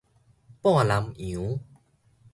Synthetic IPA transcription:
pɔ̃˥˧˨a˨la˧˦mĩ˨˦

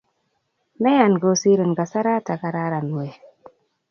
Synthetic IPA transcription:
me˦ja˨nɡo˨˦si˦ɾə˨nɡa˨sa˦ɾa˦ta˨ka˨ɾa˦ɾa˨n˨e˨

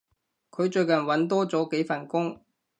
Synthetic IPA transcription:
kʰɵ˨˧ɥt͡ʃɵ˧ɥkɐ˨˩nwɐ˨˥nt̪ɔː˥t͡sɔː˨˥ke˨˥jfɐ˨˩nkʊ˥ŋ

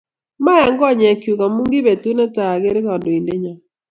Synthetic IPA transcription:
ma˦a˨ŋɡɔ˦˨ɲɛ˨kju˨ka˨mu˦ŋɡi˦be˨tu˦nɛ˦ta˨ɡe˦ɾkɔ˨ndo˨i˨nde˦ɲa˨

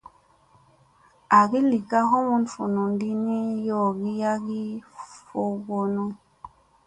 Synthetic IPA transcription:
a˨ɡi˦li˨ka˦ɦo˦mu˦nfu˨nu˨n˦di˦ni˦jo˦˨ɡi˦ja˦ɡi˦fo˦ɡo˦nu˦

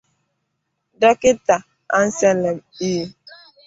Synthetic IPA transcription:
da˦kɪ˦ta˨ | a˦n̩˦sɛ˦lɛ˨miː˦

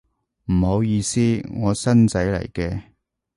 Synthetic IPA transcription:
m̩˨˩ho˨˧˥wjiː˨˧siː˥ŋɔː˨˧sɐ˥nt͡sɐ˨˥jlɐ̰˨˩jkɛː˧

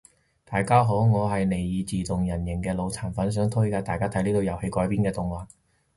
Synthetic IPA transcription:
t̪aː˨jkaː˥ɦo˨˥wŋɔː˨˧ɦɐ˨jne˨˩jjiː˨˧t͡siː˨t̪ʊ˨ŋjɐ˨˩njɪ˨˩ŋkɛː˧lo˨˧wt͡sʰaː˨˩nfɐ˨˥ns̬œː˨˥ŋt̪ʰɵ˥kaː˧t̪aː˨jkaː˥t̪ʰɐ˨˥liː˥t̪o˧wjɐ˨˩whe˧jkɔː˨˥jpiː˥nkɛː˧t̪ʊ˨˩ŋwaː˨˩n

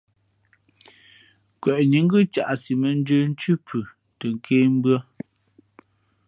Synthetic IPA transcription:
kwɛ˨ʔɲi˨˦ŋ̩˦ɡʉ˦t͡ʃa̰˨ʔsi˨mə˨n˦də˦n̩˦t͡ʃʉ˦pʰʉ˨ | tə˨ŋ̩˦˨kʰeː˦m̩˦bɰə˦

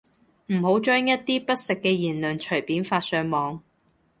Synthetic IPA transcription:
m̩˨˩ho˨˥wt͡ʃœː˥ŋjɐ˥t̚t̪iː˥pɐ˥t̚sɪ˨kːɛː˧jiː˨˩nlœː˨ŋt͡ʃʰɵ˨˩piː˨˥nfaː˧t̚sœː˨˧ŋmɔː˨˧ŋ

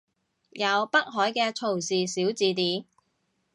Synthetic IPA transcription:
jɐ˨˧wpɐ˥k̚ɦɔː˨˥jkɛː˧t͡sʰo˨˩wsiː˨siː˨˥wt͡siː˨˧t̪iː˨˥

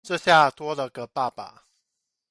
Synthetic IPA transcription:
ʈ͡ʂɤ˥˧ɕja˥˩t̪wɔ˥lə˨ɡə˨˩pa˥˩pa̰˨˩

